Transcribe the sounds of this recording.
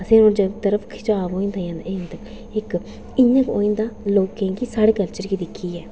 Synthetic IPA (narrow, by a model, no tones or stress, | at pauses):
ɐsẽnõːd͡ʒət̪əɾəpʰkʰɪ̥t͡ʃaːʋoːĩnd̪aːjãnd̪aent̪ək | ɪk | ɪɲəko̰ːĩnd̪aːloːkːẽŋkisaːɽeːkəlt͡ʃəɾkiːd̪ɪkʰːiːɛː